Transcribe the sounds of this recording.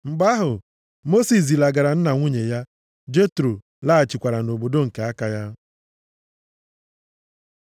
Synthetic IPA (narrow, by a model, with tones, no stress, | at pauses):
ŋ͡m̩˨ɡ͡ba˦ɦʊ˨ | mo˦si˨s̬i˨la˨ɡa˨ɾa˨n̩˦na˨ŋʷu˦ɲe˨ja˦ | d͡ʒe˦tɾo˨ | la˦a˨t͡ʃi˨kʷa˨ɾa˨no˨bo˨do˦ŋ̩˨ke˨a˦ka˨ja˦